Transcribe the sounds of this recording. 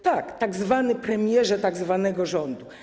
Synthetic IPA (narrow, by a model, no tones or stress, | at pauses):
t̪akt̪aɡzvanɘpɾɛmʲjɛʐɛt̪aɡzvanɛɡɔʐɔnd̪u